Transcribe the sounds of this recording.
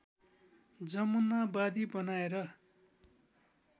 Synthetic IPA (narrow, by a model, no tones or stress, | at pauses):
d͡zʌmunabad̪ibʌnaeɾʌ